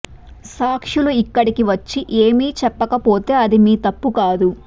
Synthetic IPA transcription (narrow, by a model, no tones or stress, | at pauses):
saːkʂuluikːɐɽikiʋɐt͡ʃːiʔeːmiːt͡ʃɛpːɐkɐpo̞ːt̪e̞ːɐd̪imiːt̪ɐpːukaːd̪u